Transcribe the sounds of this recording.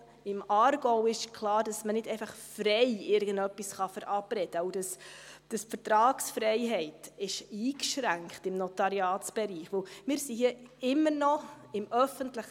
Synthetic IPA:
ɪmɑːɾɡoʊɪʃkʰlɑːɾd̥ɑsmənɪdɛɪfɑχfrɛjɪɾɡ̥əndœpːisχɑfəɾʔɑprɛd̥əoʊdɑsd̥əsfəɾtɾɑːksfɾɛɪɦɛɪtɪʃiːkʃɾæŋkχtɪmnɔtɑɾiɑːtt͡sb̥ɛɾiːχʋowmɪːɾsihiəɪmːənɔ | ɪmœfəntləχ

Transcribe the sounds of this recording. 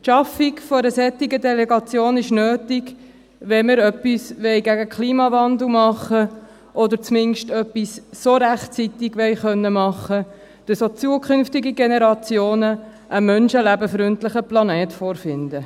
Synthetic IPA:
ʃɑfiɡfoɾəsɛt̪ɪɡədɛlɛɡɑt͡sjoːnɪʃnøːtɪɡ | ʋɛməɾœpːisʋɛɪɡæɡəkʰliːmɑvɑnd̪l̩ˠmɑχə | ʔɔd̪əɾt͡smɪnʃtœpːissoɾæχt͡sit̪ɪɡʋɛɪχœnːəmɑχːə | d̥əsot͡suəkʰχʏnftiɡiɡenɛɾɑt͡sjoːnəʔəmœnʃəlæbəfɾʏntlɪχəplɑnɛːtfoːɾfɪndə

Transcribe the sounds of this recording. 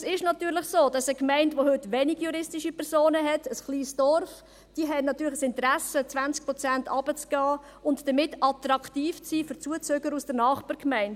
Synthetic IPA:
sɪʃnɑtyːɾləχsoːd̥ɑsəkmæɪntʋohʏtʋɛnɪɡjuɾɪstiʃipʰɛɾsoːnəɦɛtəsχliːsd̥ɔɾf | d̥iəɦɛnnɑtːyːɾləəsɪntəɾæsət͡sv̥ænt͡sk̚pɾɔt͡sæntʰɑb̥ət͡sɡ̥ɑː | ʊntd̥əmɪtɑtɾɑktiːft͡siːfʏɾt͡suət͡søɡəɾusd̥əɾnɑːχbɑːɾkmæɪnt

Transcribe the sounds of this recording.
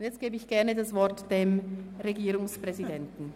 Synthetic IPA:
ntjɛt͡stɡ̥eːbəɪçɡ̥ɛɐnədasv̥ɔɐtd̥emʁeɡiːɾʊŋspʁ̥ɛzidɛntn̩

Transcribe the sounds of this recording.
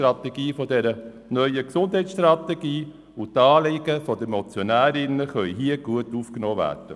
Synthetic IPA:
ɾɑteɡ̥iːfodɛɾə | nœʏəksʊndɦɛɪtsʃtɾɑt̪eɡiː | utɑːlɪɡ̥əfod̪əmɔt͡sjonæːɾɪnəχœʏɦiəɡ̥uətuːfknoːʋæ̰ːd̥ə

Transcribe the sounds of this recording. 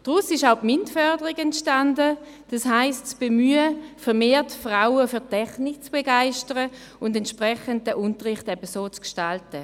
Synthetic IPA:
d̥ʁusɪʃaʊpmɪntfœɐdəʁiɡɛntʃtandə | d̥asɦaɪstt͡sb̥emyːəfɛɐʁmeːɐtfʁaʊəfyɐtʰɛχnik̚t͡sb̥eɡaɪʃtəʁə | ʊndɛntʃpʁɛχənt̚dəʔʊntəʁɪχtɛbəsoːt͡skʃtaltə

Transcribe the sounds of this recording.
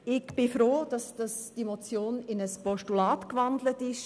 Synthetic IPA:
ɪɡb̥ɪfɾoːd̥ɑsd̥ɑsd̥imot͡sjoːnɪnəspɔʃtulaːtkvandlətɪʃ

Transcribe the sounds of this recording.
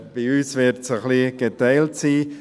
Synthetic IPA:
b̥iyːsvɪɾtsəχliɡ̥etaɪltsiː

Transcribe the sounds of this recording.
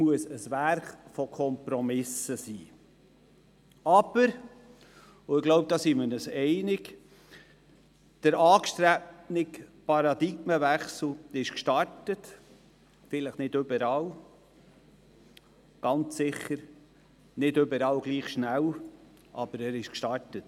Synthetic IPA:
muəsəsvæɾχfɔkʰɔmpɾɔmɪsəsiː | ɑb̥əɾ | ʊɪɡ̥loʊp̚d̥̪ɑːsimənəsɛɪnɪk | d̥əɾɑːkʃtɾɛpnɪkpɑɾɑd̪iɡməvæχsl̩ɪʃkʃtɑɾtət | fɪləχnɪdøbəɾɑːw | ɡ̥ɑnt͡ssɪχːəɾ | nɪdøbəɾɑːlɡliːχʃnæl | ʔɑ̰b̥əɾɛɾɪʃkʃtɑɾtət

